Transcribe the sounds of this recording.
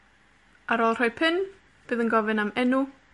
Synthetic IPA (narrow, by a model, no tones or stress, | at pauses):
aɾoːlˠr̥ɔjpʰɪn | b̥ɨːðənɡɔvɨnamɛnu